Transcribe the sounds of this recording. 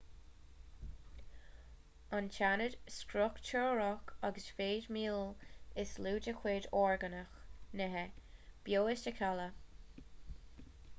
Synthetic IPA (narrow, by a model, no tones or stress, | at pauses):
ant͡ʃʰanədskɾʊkt͡ʃʰəɹɔkaɡəsfeːdmiːlɪsluːdəxweːdɔːɹɡənəxnɛɦɛb̥joːɪsəkʰalə